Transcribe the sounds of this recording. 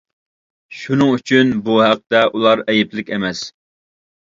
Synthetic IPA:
ʃunɨŋyt͡ʃʰynbuhæq̚t̪ɛʔulˠɑɾɛjɪplɪkʲemɛs

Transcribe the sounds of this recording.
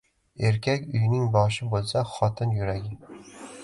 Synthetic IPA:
eɾkʲʰakʲʊjnɪŋbɒʃɪbolˠsaχɒt̪ʰɪnjʊɾaɡʲɪ

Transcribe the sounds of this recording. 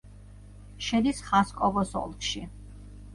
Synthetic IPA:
ʃɛd̪isχaskʼɔvɔsɔ̰lˠkʰʃi

